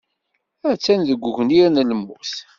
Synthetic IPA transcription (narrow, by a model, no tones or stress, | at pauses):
æt͡sːænðəɡʷːuʝəniɾnəlmuθ